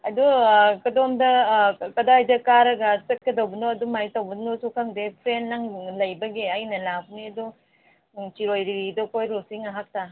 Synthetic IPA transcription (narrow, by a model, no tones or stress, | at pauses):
ɐdukɐdomdɐkɐdajdɐkaɾɐɡɐsek̚kedɐwbɐnoɐdumajitɐwbɐnosukʰaŋdepʰɾenːaŋlɐjbɐɡeɐjnɐlabniɐdu | t͡ʃiɾojɾiidokʰojɾosiŋaɦak̚ta